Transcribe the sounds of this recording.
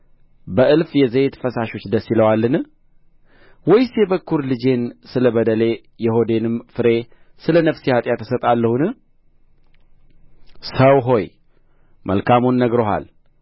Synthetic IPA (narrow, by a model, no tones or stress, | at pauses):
bəʔɨlfjɛzejɛt̪ʰə̥fəsaʃo̞t͡ʃːd̪əsːiləwalːɨnɨ | wɔjsebəkʰːuɾlɨd͡ʒe̞nsɨləbəd̪əle̞ | jɛho̞d̪e̞nɨmfɨɾe̞ | sɨlənəfsihat̪ʼjat̪ʰːə̥sət̪ʼalːəhunɨ | səwɦo̞j | mʔə̰lkʰamonːəɡɾo̞ɦa̰l